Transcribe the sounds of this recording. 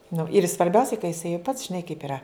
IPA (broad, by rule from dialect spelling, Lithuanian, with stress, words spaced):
nʊ ɪr sʋɐrʲˈbʲɛʊsʲɛɪ kɐ jɪˈsɐɪ jɛʊ pɐts ʒʲɪˈnɐɪ kɐɪp ɪˈrɐ